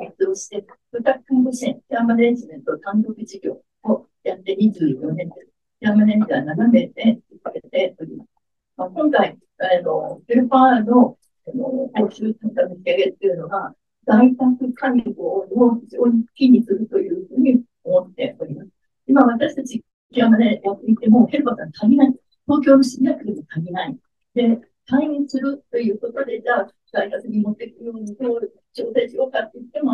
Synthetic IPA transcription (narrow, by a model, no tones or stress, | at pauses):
it͡sɨoɕi̥t̪e̞bɯ̟t̪ːakɯ̥kãŋbɯɕẽŋkʲamaneʑimẽ̞nt̪o̞t̪ãnt̪o̞kɯ̟ʑiɡʲo̞ː | o | jat̪ːe̞ɲ̟id͡ʑɨːjo̞nẽ̞nt̪ | kʲamanẽ̞mʲːit̪ainaname̞d̪e̞sikaɾet̪e̞o̞ɾʲimasɨ̥ | makõ̞ŋkai | ano̞kɯɾɯ̟paano̞ | ano̰kaoɕɨːt̪ãŋk̪amɯiaɡet̪ːejɯ̟no̞ɡa | ɡ̪ait̪akɯ̟kʰanʲiɡoːnoʑioi̥kʲiɲ̟isɨɾɯ̟t̪o̞jɯ̟ːɸɯ̟ːɲ̟i | omo̞t̪ːe̞̰ʔo̞ɾʲimasɨ̥ | imaβ̞at̪aɕi̥t̪at͡ɕi | kʲiɾamad̪ejakːit̪ːe̞mo̞he̞ɾɯ̟basãŋt̪k̪ʰaɡʲinai | t̪o̞ːk̬ʲo̞ːno̞ɕiɾʲijakɯ̟d̪emot̪ʰaɡʲinai | d̪e̞ | t̪aĩsɨɾɯ̟t̪ːo̞jɯ̟ːko̞t̪o̞d̪e̞d͡ʑaː | ɡ̥̪aihasɨɲ̟imot̪ːekɯjo̞ːɲ̟it̪oːɾɯ̥ | t͡ɕoːt̪aɕijo̞ːkat̪ːejɯt̪ːe̞mo̞